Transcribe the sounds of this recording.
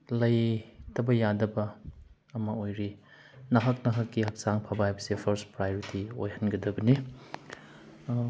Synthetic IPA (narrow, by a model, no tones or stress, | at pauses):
lɐjtɐbɐjadɐbɐː | mɐojɾi | nɐɦɐk̚nɐɦɐkːihɐk̚saŋpʰabaajbɐsepʰɐɾspɾajoɾitio̰jhɐnɡɐdɐbɐni